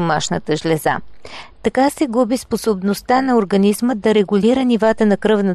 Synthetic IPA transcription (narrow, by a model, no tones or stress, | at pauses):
omaʃnət̪əʒlʲɛza̰t̪ɐkasɛɡubisposobnost̪anɐoɾɡɐnizmət̪̚d̪ɐɾɛɡuliɾənivat̪ənɐkɾɤvnə